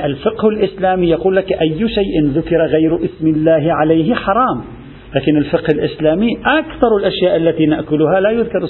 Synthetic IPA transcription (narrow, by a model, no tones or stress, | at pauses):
ʔalfɪqhalʔɪslaːmijɑquːlːakʔajːʃajʔɪnðʊkɪɾˤaɣajɾʔɪsmɪlːaːhɪʕalajhɪħɑɾˤɑːm | laːkɪnalfɪqhɪlʔɪslaːmiʔakθɑɾˤalʔaʃjaːʔalːat̪iːnaʔkʊlʊɦalaːjʊðkɑɾˤ